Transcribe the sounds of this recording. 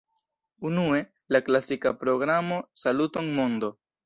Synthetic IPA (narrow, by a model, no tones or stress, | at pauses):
unue̞ | laklasikapɾo̞ɡɾamo̞salutoŋmond̪o̞